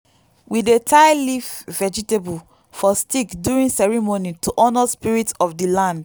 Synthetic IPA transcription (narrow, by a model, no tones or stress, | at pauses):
widetʰaɪlifvɛd͡ʒitebul | fɔstikduɹĩnsɛɹimonituʔɔnɔspiɹitɔfdilãnd